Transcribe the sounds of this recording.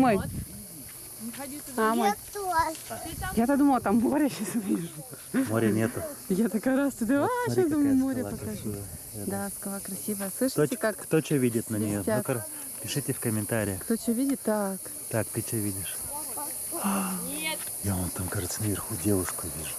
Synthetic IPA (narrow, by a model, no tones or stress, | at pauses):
moj | amoj | jat̪ɐd̪uməlˠət̪amːoɾʲəɕasiʐumoɾʲɪnʲet̪ʊjat̪ɐkajɾast̪ɨd̪ʲɐvaad̪umlmoɾʲɪppəkɐʐud̪askɐlˠakɾɐsʲivəslˠɨʂɨtɪkakkt̪ot͡ɕovʲidʲɪt̪nənʲɪjot̪ʲokɾ | pʲɪʂɨtʲɪfkəmʲɪnt̪aɾʲɪjəkt̪ot͡ɕovʲidʲɪt̪ːakt̪akt̪ɨt͡ɕovʲidʲɪʂ | a | jaont̪amkaʐɨt̪sənəvʲɪrxudʲevʊʂkʊvʲiʐʊ